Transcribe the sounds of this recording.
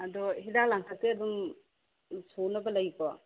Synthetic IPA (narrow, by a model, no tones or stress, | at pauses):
ɐd̪ɔɦidalaŋtʰateɐd̪um | sonɐbɐlɐjkɔ